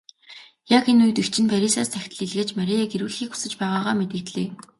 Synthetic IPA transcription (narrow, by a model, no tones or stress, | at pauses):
jakenuj̆t̪ixt͡ɕʰɪ̆npʰæɾʲisaːst̪ʰæxʲt̪ə̆ɮiɮɣeːt͡ɕmæɾʲiaɡeɾɘ̆ɮxiːku̥sɘ̆t͡ɕpæːʁaːʁaːmet̪ɘ̆kt̪ɮeː